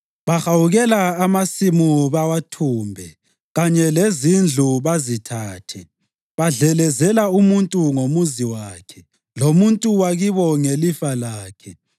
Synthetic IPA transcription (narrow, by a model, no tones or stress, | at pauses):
βaxawuɣɛlaːmasimuβawatʰuːmbʱɛ | ɣaɲɛlezind͡ɮʱuβazitʰaːtʰɛ | βaɮɛlɛzɛlaumuntʼuŋomuziwaːkʰɛ | lomuntʼuwaɣiβɔŋelifalaːkʰɛ